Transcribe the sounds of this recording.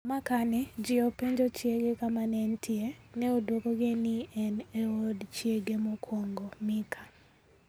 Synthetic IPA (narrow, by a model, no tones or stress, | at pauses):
makanɛd͡ʒɪɔpeɲd͡ʒot͡ʃjeɡekamanɛntʰɪenɛodwokoɡɪnɪɛneodt͡ʃjeɡemokʰwoŋɡomɪkʰa